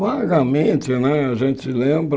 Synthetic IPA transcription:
vaɡɐmẽt͡ʃɪnɛaʒẽnt͡ʃɪlẽbɾ

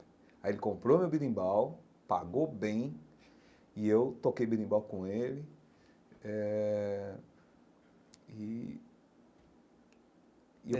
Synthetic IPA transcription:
ajelɪkõpɾomewbid̪ĩbaw | pa̰ɡobẽj̃ | iewt̪okejbilĩbawkõelɪ | ɛ | i

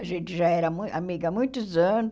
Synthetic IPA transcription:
aʒẽt͡ʃ̪ɪʒaɛɾɐmũamiɡɐmũj̃t̪ʊzɐ̃nʊ

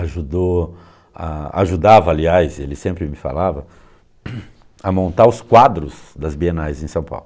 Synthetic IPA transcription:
aʒud̪o | a̰a̰ʒud̪avɐaliajzelɪsẽmpɾɪmɪfa̰lavɐ | ɐmõnt̪aɾʊskwad̪ɾʊzd̪ɐzbienajzẽsɐ̃w̃pa̰wlʊ

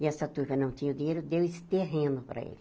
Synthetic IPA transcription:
ɪɛsɐt̪uɾvɐnɐ̃w̃t̪ĩɲɐʊd̪iɲejɾʊd̪ewɪst̪eɦẽnʊpɾɐ̰ḛlɪ

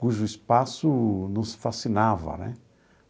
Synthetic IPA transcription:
kuʒʊispasʊnʊ̃w̃sfasinavɐ̰nɛ̰

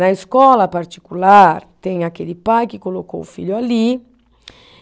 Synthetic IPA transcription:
naeskɔlapaɾt̪i̥kulaɾt̪ɛŋakelipajkikoloko̰ufḭʎuali

